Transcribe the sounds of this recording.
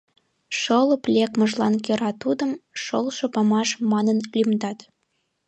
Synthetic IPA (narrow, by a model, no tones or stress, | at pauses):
ʃɤlɤ̆plʲekməʒlɑnkøɾɑt̪ud̪ə̆mʃolʃopɑmɑʃmɑnənlʲymd̪ɑt̪